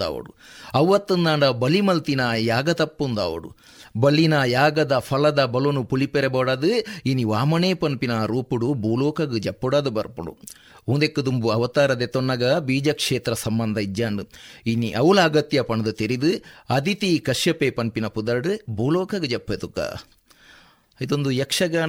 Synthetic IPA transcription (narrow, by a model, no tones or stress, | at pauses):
a̰ːʋɐ̰ɽṵɐʋːɐt̪ːɐnd̪aːɳɖɐbɐlimɐlt̪inɐjaːɡɐt̪ɐpːund̪a̰ːʋɐ̰ɽṵ | bɐlːinɐjaːɡɐd̪ɐpʰɐlɐd̪ɐbɐlonupulipeɾebɐːɽaːd̪ɨiniʋaːmɐneːpɐnpinɐɾuːpuɽubuːloːkɐɡɨd͡ʒɐpːɐɽaːd̪ubɐɾpuɽṵ | und̪ekːɐd̪umbuɐʋɐt̪aːɾɐd̪et̪onːɐɡɐbiːd͡ʒɐkʂeːt̪ɾɐsɐmbɐnd̪ʱɐid͡ʒaːɳɖɨiniʔɐwulaːɡɐt̪jɐpɐɳɐd̪ɐt̪eɾid̪ɨɐd̪it̪ikɐʂjɐpeːpɐnpinɐpud̪ɐɾɖɨbuːloːkɐɡɨd͡ʒɐpːet̪uka̰ː | id̪ond̪ujɐkʂɐɡa